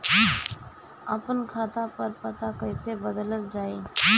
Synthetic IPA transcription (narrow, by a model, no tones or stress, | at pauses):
ɐpənkʰaːt̪apɐɾpɐt̪akəɪsebəd̪ələld͡ʒaːe